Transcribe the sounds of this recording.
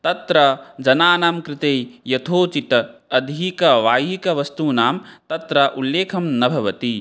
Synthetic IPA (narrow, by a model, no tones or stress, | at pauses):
t̪ɐt̪ɾɐd͡ʒɐnaːnaːmkɾɪt̪ejjɐt̪ʰoːt͡ʃit̪ɐd̪ʱikɐʋaːjikɐʋɐst̪unaːmt̪ɐt̪ɾɐʔulːeːkʰɐmnɐbʱɐʋɐt̪i